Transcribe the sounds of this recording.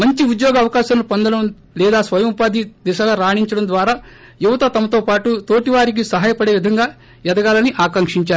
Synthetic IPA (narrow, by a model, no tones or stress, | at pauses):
mɐɲt͡ʃiud̪joːɡɐːʋɐkaːʃɐmlupɐnd̪ɐɽɐm | lɛːd̪aːsʋɐjɐmupaːd̪ʱid̪ɛʃɐɡaːɾaːɳiɲt͡ʃɐɽɐmd̪ʋaːɾaː | juʋɐt̪ɐt̪ɐmɐt̪o̞ːpaːʈut̪o̞ːʈiʋaːɾik̬isɐɦaːjɐpɐɽe̞ːʋid̪ʱɐŋɡaː | jɐd̪ɐɡaːlɐniʔaːkɐŋkʂiɲt͡ʃaːɾu